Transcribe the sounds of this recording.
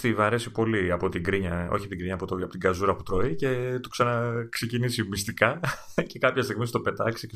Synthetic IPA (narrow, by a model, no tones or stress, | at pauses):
t̪ivɐɾe̞sipo̞liɐpo̞t̪iɡɾiɲɐo̰çiɐpot̪iɡɾiɲɐːpot̪oɐpot̪iɡɐzuɾɐput̪ɾo̞ice̞t̪uksɐnɐkse̞cinisimist̪ikɐce̞kɐpçɐst̪iɣmist̪ope̞t̪ɐksice